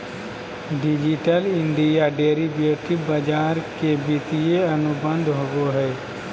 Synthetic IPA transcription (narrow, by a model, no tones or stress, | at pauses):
ɖɪd͡ʒiʈəlɪ̃ɳɖijaɖeːɾibeːʈibɐd͡ʒaːɾkebit̪ijeɐnʊbə̃nd̪ʱɦoːɡoɦɛː